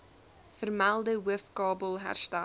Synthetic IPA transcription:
fərmælˠdəwəfkɑːbəlˠɦæ̰rstæ

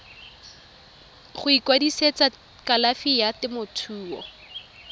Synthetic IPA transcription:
χʊikwadiset͡sa | kalafijatɪmʊtʰuːɔ̰

